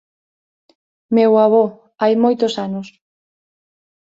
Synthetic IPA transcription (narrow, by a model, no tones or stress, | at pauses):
mewaβ̞ɔ | ajmojt̪ʊsanos